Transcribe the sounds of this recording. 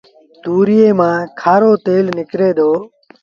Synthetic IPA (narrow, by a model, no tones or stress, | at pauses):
t̪uːɾɪjeːmãːkʰaːɾoːt̪eːlnɪkɾeːd̪oː